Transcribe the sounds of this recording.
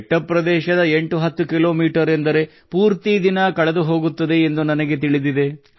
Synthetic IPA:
ʈːɐpːɾɐd̪ɛːʃɐd̪ɐe̞ɳʈuɦɐt̪ːukilo̞ːmiːʈɐɾend̪ɐɾe̞ | puːɾt̪id̪inɐkɐɭed̪uɦo̞ːɡut̪ːɐd̪e̞ːnd̪unɐnɐɡe̞t̪iɭid̪id̪e̞

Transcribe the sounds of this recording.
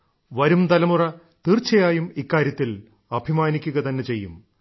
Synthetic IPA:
ʋɐɾumt̪ɐlɐmurɐ | t̪iːrt͡ɕːɐjaːjumikːaːɾjɐt̪ːil | ɐbʱimaːnikʲːuɣɐt̪ɐnːet͡ɕe̞jːum

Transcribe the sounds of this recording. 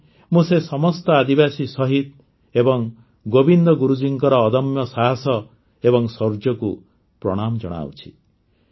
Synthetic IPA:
mũsesɔmɔst̪ɔad̪ibasisɔɦit̪̚ | ebɔŋ | ɡobind̪ɔɡuɾud͡ʒiŋkɔɾɔːd̪ɔmjɔsaɦasɔ | ebɔŋsɔɾd͡ʒɔku | pɾɔ̰ɽ̃amɔd͡ʒɔ̰ɽ̃a̰wt͡ʃʰi̥

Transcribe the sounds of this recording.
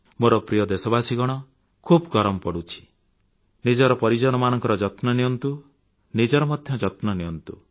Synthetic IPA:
moɾɔpɾijɔd̪esɔbasiɡɔɽ̃ɔ | kʰubɡɔɾɔmɔpɔɽut͡ʃʰi̥ | nid͡ʒɔɾɔpɔɾid͡ʒɔɽ̃ɔmanɔŋkɔɾɔd͡ʒɔt̪nɔnijɔnt̪u | nid͡ʒɔɾɔmɔd̪ʱjɔd͡ʒɔt̪nɔnijɔnt̪u

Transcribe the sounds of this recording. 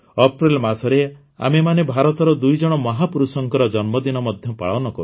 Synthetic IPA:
ɔpɾilmasɔɾe | a̰memanebʱaɾɔt̪ɔɾɔd̪ujd͡ʒɔɽ̃ɔmɔɦapuɾusɔŋkɔɾɔd͡ʒɔnmɔd̪inɔmɔd̪ʱjɔpa̰ɭɔnɔkɔɾu

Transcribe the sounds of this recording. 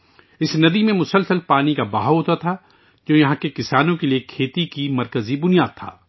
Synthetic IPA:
ɪsnɐd̪imẽmʊsəlsəlpaːnikabaːɦaɦoːt̪at̪ʰa | d͡ʒoːjɐɦãkekɪsaːnõkeliekʰeːt̪ikimɐɾkəzibʊnijaːd̪̚t̪ʰa̰ː

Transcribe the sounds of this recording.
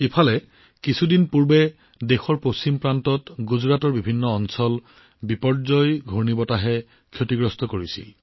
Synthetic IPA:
epʰalɛ | kisʰudinpuɹbɛ | dexɔɹpost͡ɕimpɹantɔtɡuzɹatɔɹbibʱinːɔːnsɔl | bipɔɹzɔjɡʱoɹnibɔtaɦɛ | kʰjotiɡɹɔstʰɔkoɹisḭl

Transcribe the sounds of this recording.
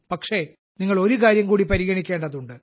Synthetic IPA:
pɐkʂe̞ | niŋːɐɭo̞ɾuk̬aːɾjɐmkuːɽipɐɾiɣɐɳikʲːe̞ːɳɖɐðuɳɖɨ

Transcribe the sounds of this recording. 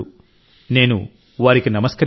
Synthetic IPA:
u | ne̞ːnṵ | ʋaːɾikinɐmɐskɐɾ

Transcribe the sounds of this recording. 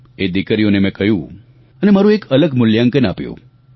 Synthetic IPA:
ed̪ikɾijonemɛ̃kəɦjũ | ənemaɾũekələɡmʊljãŋkənapjṵ̃

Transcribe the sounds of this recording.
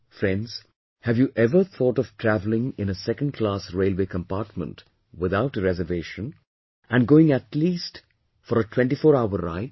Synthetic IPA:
fɾɛ̃ndz̥ | hævjuʔɛvə˞θʰɔːʈɔv̥tʰɾævlɪ̃ŋɪ̃nəsɛkə̃nd̚kʰlaːsɹeɪlweːkə̃mpaːɾt̚mə̰̃nt | wɪðaʊʈəɾɛzəveʃə̃n | æ̃nɡoɪ̃ŋætliːst | fɔɾətʰw̥ɛ̃nʈifɔːɾaʊəɾa̰ɪt

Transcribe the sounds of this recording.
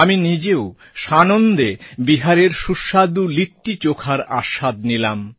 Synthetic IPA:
aminid͡ʑeo | ʃanond̪ebiɦaɾeɾʃuʃad̪uliʈːit͡ɕokʰaɾa̰ʃad̪̚nilam

